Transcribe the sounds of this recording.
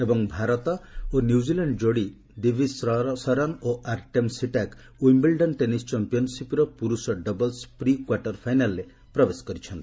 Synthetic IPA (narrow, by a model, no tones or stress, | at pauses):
ebɔŋbʱaɾɔt̪ɔonjud͡ʒilaɳɖd͡ʒoɽi | d̪ibʱisɔɾɔnoʔaɾʈemsiʈak | ujmbilɖɔnʈenist͡ʃɔmpijɔnsipɾɔpuɾusɔɖɔbɔlspɾikwaɾʈɔɾpʰajnalːe | pɾɔbeskɔɾit͡ʃʰɔnt̪i